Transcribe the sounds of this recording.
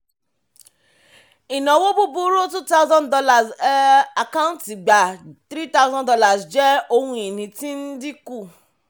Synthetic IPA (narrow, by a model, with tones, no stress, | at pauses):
i˨nã˨˦wo˦bu˦bu˧ɾo˦tu˦ta˦zã˦ndɔ˧la˨sa˨kã˦˨˦nti˨ɡ͡ba˨tɾi˦ta˦u˦zɔ̃˦dɔ˧la˨sd͡ʒɛ˦o˧hũ˧i˨nĩ˧ti˦n̩˦di˦ku˦˨